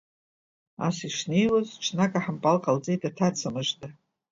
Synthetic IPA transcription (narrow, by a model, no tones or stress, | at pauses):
a̰siʂnejwozʈ͡ʂʰnakʼaħampʼalqʼald͡zʼejtʰʼatʰat͡sʰamɨʒtʼa